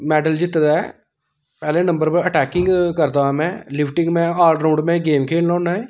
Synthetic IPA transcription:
mɛːɖəld͡ʒɪt̪d̪aːɛ̰ː | pɛːlẽːnə̃mbəɾpəəʈɛːkɪŋɡkəɾd̪aːmɛ̃ːlɪpʰʈɪ̃ŋɡmɛ̃ːaːlɖɾoːɳɖmɛ̃ːɡeːmkʰeːllɔ̃ːnaːɛː

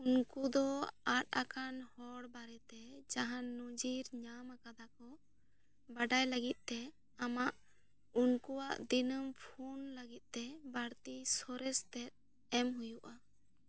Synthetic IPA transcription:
unkud̪ɔat̪̚akanhɔɽbaɾɛt̪ɛd͡ʒaɦanːɔd͡ʒiɾɲamakad̪akɔ | baɖajləɡit̪̚ˀt̪ɛ | amaʔ | unkuwaʔd̪inəmpʰunləɡit̪̚ˀt̪ɛbaɽt̪isɔɾɛst̪ɛt̪̚ | ɛmɦujuʔa

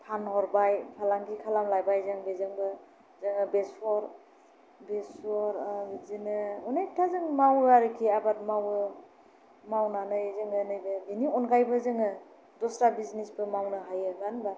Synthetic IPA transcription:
pʰanhɔɾbajpʰalaŋɡikʰalamlajbajzaŋbezɯŋbɯ | zɯŋɯbesɔɾ | besɔɾɡizinɯɔnejp̚tʰazɯŋmawɯaɾɯkʰiabat̚mawɯ | mawnanɯjzɯŋɯnɯjbɯɡiniɔnɡajbɯzɯŋɯ | dɔsɾabiznisbɯmawnɯɦajɯɡanba

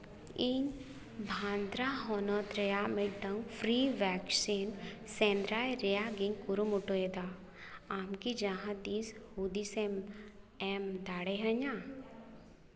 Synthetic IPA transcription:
iŋ | bʱãːnd̪ɾaɦɔnɔt̪ɾejameɖəŋɡfʰɾiʋɛːksinsẽːnd̪ɾaːjɾejaɡĩŋkuɾumuʈoed̪a | aːmkid͡ʒãɦãd̪iːshud̪isem | emd̪aːɽeɦəɲãː

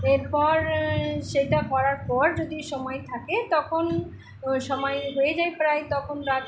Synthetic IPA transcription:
eɾpɔɾʃeʈakɔɾaɾpɔɾd͡ʑod̪iʃɔmɔjt̪ʰaket̪ɔkʰon | ʃɔmɔjɦoed͡ʑajpɾajt̪ɔkʰonɾat̪

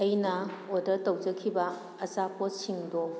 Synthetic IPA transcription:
ɐjnɐodɐɾtɐwd͡ʒɐkʰibɐː | zapotsiŋdo

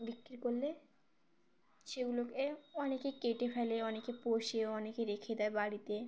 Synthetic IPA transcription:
bikɾiɾkolle | ʃeɡulokeɔnekekeʈefʰɛleɔnekepoʃeoɔnekeɾekʰed̪ɛebaɽit̪e

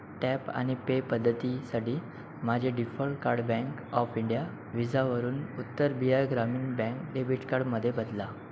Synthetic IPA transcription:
ʈɛpa̰ɽ̃ipepəd̪ʱːət̪isaʈʰiː | m̤ad͡ʑʱeɖifɔlʈkaɾɖbɛ̃ŋkɔfiɳɖija | ʋid͡zaʋəɾuːnut̪ːəɾbijaɾɡɾamiːnbɛ̃ŋkɖebʱiʈkaɾɽməd̪ʱːjebəd̪la

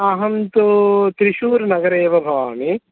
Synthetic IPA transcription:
ɐɦɐnt̪ut̪ɾiʃuːɾnɐɡɐɾeːʋɐbʱaːmi

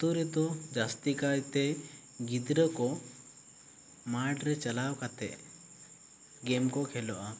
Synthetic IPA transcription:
t̪uɾɛd̪ɔd͡ʒast̪ikajt̪ɛ | ɡid̪ɾəkɔ | maʈɾɛt͡ʃalawkat̪ɛ̰ʔ | ɡɛmkɔkʰɛlɔʔa

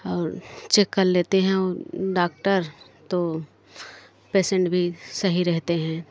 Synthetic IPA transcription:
ɔːɾt͡ʃekːəlleːt̪eɦɛ̃oːɖaːk̚ʈəɾ | t̪o | peːsẽɳʈbʱisɐɦiɾɛɦt̪eɦɛ̃ː

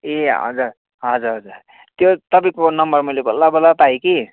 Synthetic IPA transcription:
eɦʌ̰d͡zuɾ | ɦʌd͡zuɾɦʌd͡zuɾ | t̪jot̪ʌb̬ĩkonʌmbʌrmʌjlebʌlabʌlat̪aiki

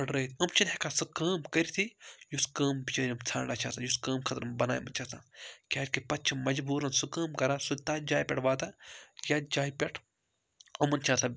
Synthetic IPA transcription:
ɐɖɾɐit̪ʰʲɐmt͡ʃʰinhekʰasɨkəːmkɐɾʲit̪ʰijuskəːmbit͡ʃɐːɾʲiimt͡sʰa̰ːɳɖaːt͡ʃʰaːsajuskəːmkʰɐt̪ɾmbɐna̰ːjmɐnt͡ʃʰaːsa̰kʲaːtʲkipɐt̚t͡ʃʰimɐd͡ʒbuːɾɐnsɨkəːmkɐɾasut̪aːd͡ʒaːjpʲɐʈʰʋaːt̪ajad͡ʒaːjipʲeʈʰ | ɐmɐnt͡ʃʰaːsa

